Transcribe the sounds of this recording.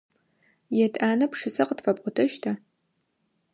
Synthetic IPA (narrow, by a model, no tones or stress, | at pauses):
jɛtʼaːnɐpʂɨsɐqətfɐpʼqʷʼʊtʰɐʃtʰɐ